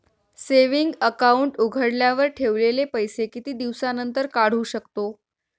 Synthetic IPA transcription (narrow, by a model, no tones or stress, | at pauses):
seʋiŋɡəkauɳʈuɡʱəɽljaʋəɾʈʰeʋlelepəjsekit̪iːd̪iʋsanənt̪əɾkaɽ̤uːɕəkt̪o